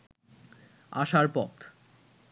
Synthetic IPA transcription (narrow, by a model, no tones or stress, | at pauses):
a̰ʃaɾpɔt̪